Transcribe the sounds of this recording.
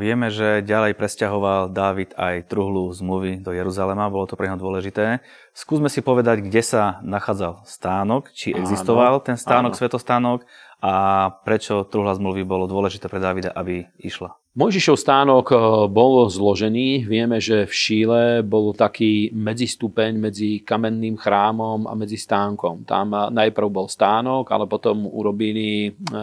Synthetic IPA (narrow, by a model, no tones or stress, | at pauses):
ʋɪɛmɛʒɛɟalɛjpɾɛscaɦɔʋald̪aːʋit̪ajt̪ɾuɦluzmluʋid̪ɔjɛɾuzalɛmabɔlɔt̪ɔpɾɛɲɦɔd̪ʊɔlɛʒit̪ɛː | skuːzmɛsipɔʋɛd̪aɟɡɟɛsanaxaːd͡zalst̪aːnɔkt͡ʃiɛɡzist̪ɔʋalt̪ɛnst̪aːnɔksʋɛt̪ɔst̪aːnɔk | apɾɛt͡ʃɔt̪ɾuɦlazmluʋibɔlɔd̪ʊɔlɛʒit̪ɛːpɾɛd̪aːʋid̪a̰ʔabi | iʃla | mɔjʒiʃɔʊst̪aːnɔɡbɔlzlɔʒɛniːʋɪɛmɛʒɛfʃiːlɛbɔlt̪akiːmɛd͡zist̪upɛɲmɛd͡zikamɛnːiːmxɾaːmɔma̰mɛd͡zist̪aːŋkɔmt̪a̰mnajpr̩ʊbɔlst̪aːnɔɡa̰lɛpɔt̪ɔmṵɾɔbili